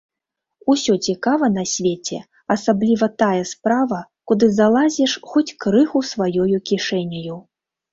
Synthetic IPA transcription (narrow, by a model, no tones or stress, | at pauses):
usʲɔt͡sʲikavɐn̪ɐsʲvʲet͡sʲɛ̰ | ɐsablʲivɐt̪ajɛspɾavɐkud̪ɨzalˠazʲɛʂxɔt͡sʲkɾɨxusvajɔjukʲiʂɛnʲɐju